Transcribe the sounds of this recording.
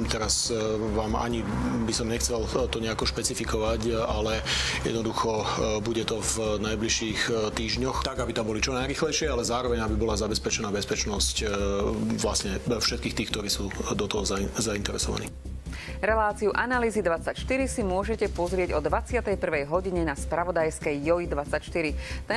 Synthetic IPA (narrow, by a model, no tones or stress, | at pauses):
t̪ɛɾasʋaːma̰ɲibisɔmɲɛxt͡sɛlt̪ɔɲɛakɔʃpɛt͡sifikɔʋacalɛjɛ̰d̪nɔd̪uxɔbuɟɛt̪ɔvnajbliʃiːxt̪iːʒɲɔxt̪aɡabit̪ambɔlit͡ʃɔnajɾiːxlɛjʃɪɛalɛzaːɾɔʋɛɲabibɔlazabɛspɛt͡ʃɛnaːbɛspɛt͡ʃnɔsc | ʋlasɲɛfʃɛt̪kiːxkt̪iːxkt̪ɔɾiːsuːd̪ɔt̪ɔɦɔzazaint̪ɛɾɛ̰sɔʋa̰nḭ | ɾɛlaːt͡siuʔanaliːzid̪ʋat͡sacʃt̪iɾisimʊɔʒɛcɛpɔzɾɪɛɟɔd̪ʋat͡sɪat̪ɛjpr̩ʋɛjɦɔɟiɲɛnaspɾaʋɔd̪ajskɛjːɔid̪ʋat͡sacʃt̪iɾit̪ɛ